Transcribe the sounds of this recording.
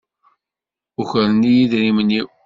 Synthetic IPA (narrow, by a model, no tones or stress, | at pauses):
uçəɾənːijiðɾiməni